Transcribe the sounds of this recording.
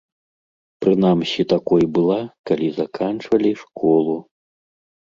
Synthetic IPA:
pɾɨnamsʲit̪akɔjbɨlˠakalʲizakʰant͡ʂvɐlʲiʂkʰɔlˠu

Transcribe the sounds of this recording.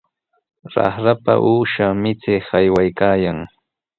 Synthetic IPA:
ɾɑ̰χɾapa̰ʔuːʃamɪt͡sɪhajwajkaːjaŋ

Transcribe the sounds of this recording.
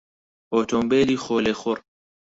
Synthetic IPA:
oːt̪ʰombeːliːxoːleːxʊr

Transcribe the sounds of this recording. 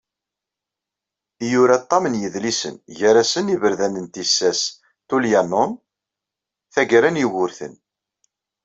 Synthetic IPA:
juɾat̪ˤːɑmənjəðlisə̰nʝæɾæsənivəɾðænənt̪isːæs | t̪uljænʊn | θæɡɾænjiwʊɾθə̰n

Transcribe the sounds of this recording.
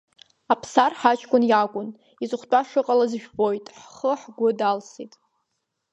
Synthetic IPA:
apʰsarħat͡ʃʰʼkʷʼʊnjakʷʼʊn | izʊχʷtʼaʂɨqʼalazʒᶣbo̞jtʼħχəħɡʷʊdalsitʼ

